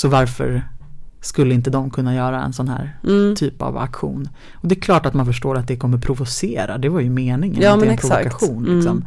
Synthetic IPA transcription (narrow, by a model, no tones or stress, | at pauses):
sɔvaɾfœ̰ɾskɵlːəɪnt̪əd̪ɔmkʰɵnːajœːɾaɛ̰nsɔnhæ̰ːɾt̪ʰyːpa̰va̰kɧṵːn | ɔd̪ɛkʰlɑːʈat̪manfœʂʈoːɾat̪̚d̪ɛkʰɔmːəpʰɾʊvʊseːɾad̪ɛvaɾjɵmeːnɪŋə̰nmdɛpʰɾʊvʊkaɧuːnlɪksɔm